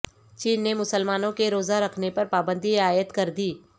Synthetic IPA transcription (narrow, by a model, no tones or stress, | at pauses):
t͡ʃiːnːemʊsəlmaːnõkeɾoːzaɾɐkʰnepɐɾpaːbə̃nd̪ʱiɪaːjət̪kɐɾd̪iː